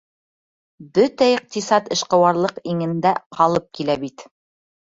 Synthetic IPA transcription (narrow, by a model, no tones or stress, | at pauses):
bɵt̪æiq̚t̪isɑt̪ɤ̆ʃqɤ̆wɑɾlˠɤqiŋɘ̆nd̪æqʰɑlˠɤp̚kilæbit̪